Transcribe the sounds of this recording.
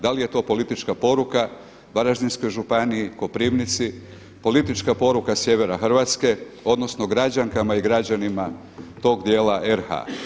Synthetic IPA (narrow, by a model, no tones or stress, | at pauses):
d̪alije̞t̪o̞ːpo̞lit̪it͡ʃkapo̞ɾuka | baɾaʒd̪insko̞jʒupaniiko̞pɾiːʋnit̪si | po̞lit̪it͡ʃkapo̞ɾukasje̞ʋe̞ɾaxr̩ʋat̪ske̞o̞d̪no̞sno̞ɡɾad͡ʑaŋkamaiɡɾad͡ʑanima | t̪o̞ːɡd̪je̞ːlaʔeɾxa̰